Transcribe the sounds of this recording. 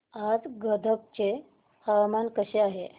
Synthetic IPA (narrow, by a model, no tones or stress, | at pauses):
ad͡zɡəd̪ʱək̚t͡ɕe | həʋmankəɕeaɦe